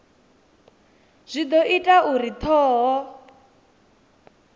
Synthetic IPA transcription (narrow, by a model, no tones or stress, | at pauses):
z̥ʷid̪ɔʔitʼauɾit̪ʰɔːɦɔ